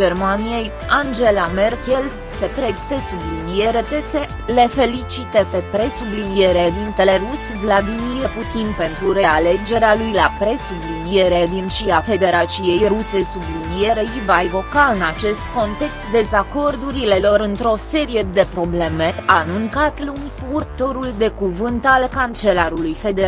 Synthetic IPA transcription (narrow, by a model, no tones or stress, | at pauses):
d͡ʒermanijej | and͡ʒe̞lame̞rkʲel | se̞pɾeɡt̪e̞sublinije̞ɾe̞p̪ese̞ | le̞fe̞lit͡ʃit̪epe̞pɾe̞sublinie̞ɾed̪int̪e̞le̞rus | vlad̪imirput̪inpe̞nt̪ɾuɾe̞ale̞d͡ʒe̞ɾealujlapɾe̞sublinijeɾed̪inʃiafe̞d̪e̞ɾat͡ʃije̞jruse̞sublinije̞ɾe̞jivaevo̞kaɨnat͡ʃe̞st̪ko̞nt̪e̞kst̪d̪e̞zako̞rd̪uɾile̞lo̞ɾɨnt̪ɾo̞se̞ɾije̞d̪e̞pɾo̞ble̞me̞anuŋkat̪lunʲpurt̪o̞ɾuld̪e̞kuvɨnt̪alkant͡ʃe̞laɾulujfe̞d̪e